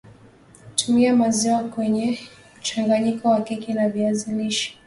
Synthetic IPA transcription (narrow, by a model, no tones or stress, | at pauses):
tʰumiamaziwakwɛɲɛ | m̩t͡ʃaŋɡaɲikɔwakikinaviaziliʃi̥